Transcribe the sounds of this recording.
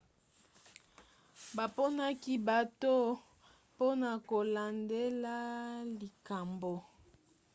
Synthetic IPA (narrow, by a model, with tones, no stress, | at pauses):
ba˨po˦na˦ki˦ba˨to˦ | po˦na˨ko˨la˨nde˦la˦li˨ka˨mbo˨